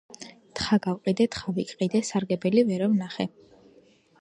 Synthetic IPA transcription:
t̪χaɡawqʼid̪ɛt̪χavikʼqʼid̪ɛsaɾɡɛbɛlivɛɾɔvnaχɛ

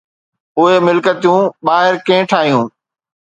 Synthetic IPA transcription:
ʊɦemɪlkət̪ijũːɓaːɦɪɾkẽːʈʰaːɦijũː

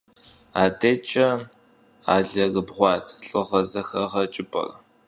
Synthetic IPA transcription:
aːdet͡ʃʼɐ | a̰ːɮɐɣɨbʁʷɑːtʰɬʼɨʁɐzɐxɐʁɐt͡ʃʼɪpʼɐ̰r

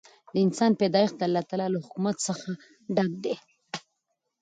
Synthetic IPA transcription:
d̪əɪnsɑnped̪ɑjixd̪aalːɑt̪alɑlahʊkumat̪səxa | ɖaɡ̚d̪e

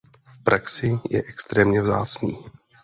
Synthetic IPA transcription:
fpɾʔaksɪjɛ̰ʔɛkst̪ɾɛːmɲɛvza̰ːt͡sɲḭː

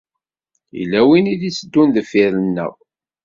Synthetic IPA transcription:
ḭlːæwiniðisəd̪ːunðəfiɾənːə̰ʁ

